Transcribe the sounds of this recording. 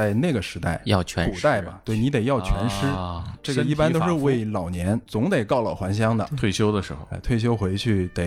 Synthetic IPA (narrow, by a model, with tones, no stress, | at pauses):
a˥˧ɪne˥˩ɡə˩ʂɻ̩˧˥t̪a˥˩ɪ˥˧t͡ɕʰpu˨˩t̪a˥˩ɪbɐ̰˩t̪we˥˩ɪni˧˥t̪e˨˩jɑ˥˩ʊt͡ɕʰɥɛ̰˧˥nʂɻ̩˥ʈ͡ʂɤ˥˩ɡə˩i˥˩pa˥nt̪o˥ʊʂɻ̩˥˧we˥˧˩ɪlɑ˨˩ʊnjɛ˧˥nt͡sʊ˧˥ŋt̪e˨˩ɪkɑ˥˩ʊlə̰˩xwa˧˥nɕ̬jɑ˥ŋd̪ə̰˨t̪ʰwe˥˩ɪɕjo˥ʊd̪ə˨ʂɻ̩˧˥xo̰˧e˥˧ɪt̪ʰwe˥˩ɪɕ̬jo˥ʊxwe˧˥ɪt͡ɕʰy˥˩t̪e˨˩˦